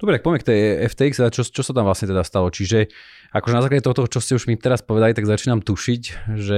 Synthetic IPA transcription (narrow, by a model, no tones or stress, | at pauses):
ddɔbɾit̪akpɔʋɛmɛkt̪ɛɛft̪ɛːikst̪ɛd̪at͡ʃɔt͡ʃɔsat̪amʋlasɲɛt̪ɛd̪ast̪alɔt͡ʃiʒɛ | a̰kɔʒɛnazaːklaɟɛt̪ɔɦɔt̪ɔɦɔt͡ʃɔscɛuʒmit̪ɛɾaspɔʋɛd̪alit̪aɡzat͡ʃiːnamt̪uʃicʒɛ